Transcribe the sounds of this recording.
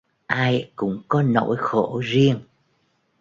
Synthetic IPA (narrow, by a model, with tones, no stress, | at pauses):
ʔaː˧jkʊ̰˧˥ŋ͡mkɔ˨˦no̰˧˥jxo˧˩zi˧əŋ